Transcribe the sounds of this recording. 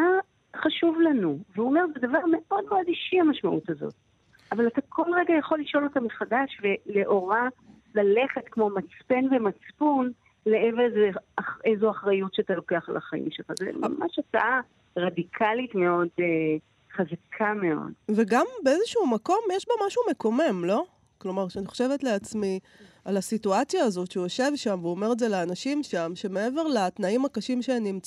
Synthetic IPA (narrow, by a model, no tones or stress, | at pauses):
a | χaʃuvlanuveuome̞ʁzɛdavaʁme̞o̞dmeo̞diʃiamaʃmaʔutazo̞̰t̚ | ʔavalatakʰo̞lʁe̞ɡajaχo̞lːiʃo̞lo̞tamiχadaʃve̞leʔo̞ʁa | lale̞χe̞tkmo̞mat͡spe̞nvemat͡spun | leevezeaχezuaχʁajutʃeatalo̞keaχalʔa̰χaḭmʃelχazḛma̰ma̰ʃataʔa | ʁadikʰalitmeo̞de | χazakʰameo̞̰dveɡambe̞ezeʃuumako̞mjeʃbomaʃume̞ko̞memlo̞ | klo̞maʁʃeaniχo̞ʃe̞vetle̞at͡smi | alasituat͡sjaːzo̞tʃeujoʃe̞vʃamveuome̞ʁezelaːnaʃimʃamʃe̞me̞e̞ve̞ʁlat̪naimakaʃimʃenimt͡s